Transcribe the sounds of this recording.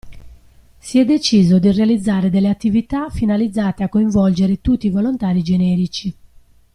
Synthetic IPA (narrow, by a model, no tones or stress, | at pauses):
siɛd̪ːet͡ʃiːzod̪irealid̪zːaːɾed̪elːeat̪ːivit̪afinalid̪zːaːt̪eakːoiɱvɔld͡ʒeɾet̪ut̪ːiːvolont̪aːɾid͡ʒenɛːɾit͡ʃi